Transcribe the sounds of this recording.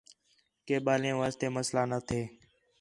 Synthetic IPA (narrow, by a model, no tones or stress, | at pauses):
keːɓaːlẽːʋaːst̪eːməslaːnət̪ʰeː